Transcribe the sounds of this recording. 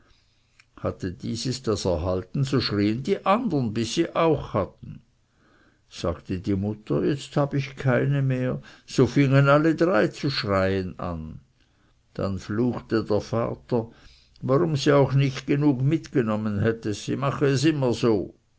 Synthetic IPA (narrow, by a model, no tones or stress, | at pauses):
hatədiːzəsd̥asɛɐɦaltn̩zoːʃʁiːəndiːʔandɐnbɪsːiːʔaʊxhatn̩ | z̥a̰ːɡ̥tədiːmʊtəjɛt͡sthaːbəɪçkʰaɪnəmeːɐz̥oːfɪŋənalədʁaɪt͡suʃʁaɪəna̰n | d̥a̰nfluːxtədeːɐfa̰ːtə | vaʁʊmziːaʊxnɪçtɡ̥ənuːkmɪtɡ̥ənɔmənɦɛtəz̥ḭmaχəɛsɪmɐzoː